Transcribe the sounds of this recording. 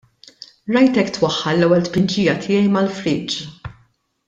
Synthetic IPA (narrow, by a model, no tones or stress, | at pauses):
ɾɐjt̪ɛkːt̪wɐħːɐlːɛwːɛlt̪pɪnd͡ʒiːjɐt̪ʰɪjɛjmɐlfɾɪːt͡ʃ